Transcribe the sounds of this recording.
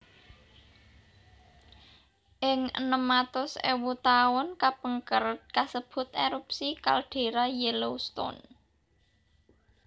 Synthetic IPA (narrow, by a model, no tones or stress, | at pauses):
ʔɪŋə̰nəmːat̪ʊsḛwut̪aɔnkapəŋkəɾt̪̚kasəb̥ʊ̤t̪eɾupsika̰lɖ̥e̤ɾajɛlost̪ɔ̰n